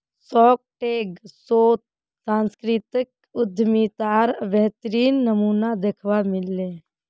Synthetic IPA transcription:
sɔːk̚ʈeːɡsoːt̪̚ | sãːnskɾit̪ɪk̚ | ʊd̪ʱmit̪aːɾʋɛɦt̪əɾiːnːəmuːnad̪ekʰʋamɪlːeː

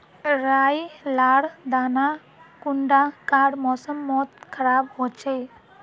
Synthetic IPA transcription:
ɾajlaɽd̪ana | kuɳɖakaɽmɔsəmːɔt̪̚kʰəɾabɦot͡ʃej

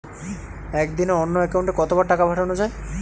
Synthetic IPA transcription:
ɛkd̪ineonːoɛkawɳʈekɔt̪obaɾʈakabʱaʈanod͡ʑae

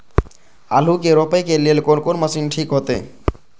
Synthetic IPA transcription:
a̰ːl̤uk̬eɾopəjkelielkonkonməsiːnʈʰiːkɦoːt̪ḛː

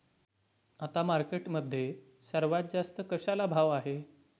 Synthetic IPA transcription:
at̪amaɾkeʈməd̪ʱːje | səɾʋat̪̚d͡zast̪əkəɕalabʱaʋaɦe

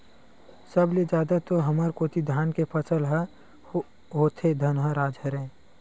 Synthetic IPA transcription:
səbled͡ʒjaːd̪at̪oɦəməɾkoːt̪id̪ʱjaːnkepʰəsəlɦa | ɦoːt̪ʰed̪ʱənɦãɾaːd͡ʒɦəɾẽː

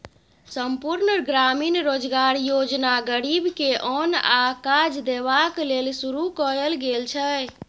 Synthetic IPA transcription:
səmpuɾnəɡɾaminɾod͡ʒɡaɾjod͡ʒnaɡəɾibkeʔɔnakad͡ʒd̪eβaklelsuɾukɔɾelɡelt͡ʃʰɛ

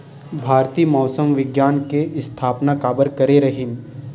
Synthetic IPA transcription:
bʱaːɾt̪iːmɔːsəmʋɪɡjaːnkeʔɪst̪ʰaːpnakaːbəɾkɐɾeɾɐɦɪn

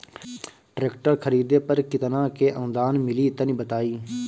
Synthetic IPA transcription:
ʈɾeːkʈəɾkʰəɾiːd̪eːpəɾkɪt̪nãːkeːʔə̃ːd̪aːnmɪliːt̪ənĩːbət̪aːiː

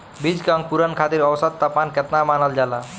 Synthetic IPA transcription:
bid͡ʒkaŋ̚puɾənkʰat̪iɾɔwsət̪ːapmankɛt̪namaːnəld͡ʒala

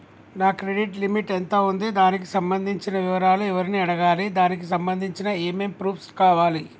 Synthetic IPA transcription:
naːkɾe̞ɖiʈlimiʈent̪oːund̪id̪aːnik̬isɐmbɐnd̪ʱiɲt͡ʃinɐʋiʋɐɾaːluɛʋɐɾiniːɐɽɐɡaːlid̪aːnik̬isɐmbɐnd̪ʱiɲt͡ʃinɐeːmeːmpɾuːpʰskaːʋaːli

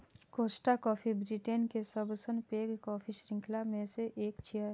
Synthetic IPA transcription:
koːsʈakɔːfʰibɾiʈeːnkesəbɾsənpeːɡkɔːpʰiʃɾɪ̃ŋkʰlamẽseʔeːkt͡ʃʰia

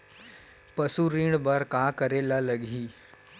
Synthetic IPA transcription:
pəsuɾiɽ̃bəɾkakəɾelaləɡʱiː

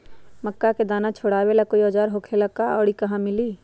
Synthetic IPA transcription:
məkːaked̪aːnat͡ʃʰoɽaːwelakoiɔd͡ʒaːɾɦoːkʰelakaɔːɽikɐɦãmɪliː

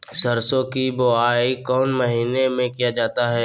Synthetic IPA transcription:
sɐɾsõkiboaːikɔːnməɦiːnemẽkijad͡ʒaːt̪aɦɛː

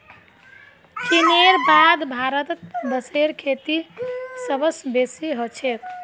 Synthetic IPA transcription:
kineɾbad̪bʱaɾət̪bəseɾkʰet̪isəbəsbesiɦot͡ʃʰek

